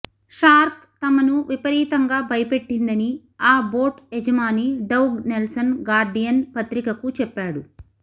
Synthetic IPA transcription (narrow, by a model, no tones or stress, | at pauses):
ʂaːɾk | t̪ɐmɐnuʋipɐɾiːt̪ɐŋɡaːbʱɐjɐpe̞ʈːind̪ɐni | aːboːʈed͡ʒɐmaːniɖɐwɡnelsɐnɡaːɾɖijɐnpɐt̪ɾikɐkut͡ʃɛpːaːɽu